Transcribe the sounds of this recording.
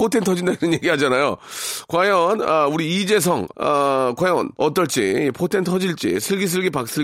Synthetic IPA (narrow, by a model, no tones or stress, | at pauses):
pʰotʰentʰʌd͡ʑindainɯnje̞ɡiɦad͡ʑanajo̰kwajʌnʌuɾiid͡ʑe̞s̬ʰʌŋʌkwajʌnʌt͈ʌɭt͡ɕ͈ipʰotʰe̞ntʰʌd͡ʑiɭt͡ɕ͈ḭsʰɯɭɡis̬ʰɯɭɡipak̚s͈ʰɯ